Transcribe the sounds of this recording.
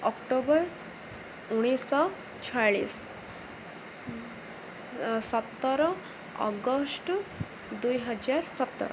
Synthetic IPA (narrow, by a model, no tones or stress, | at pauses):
ɔkʈobəɾ | uɽ̃isɔ | t͡ɕʰaɭḭːs | sət̪ːɾɔ | ɔ̰ɡəsʈ | d̪ujɦəd͡ʑaɾsət̪ːə̰ɾ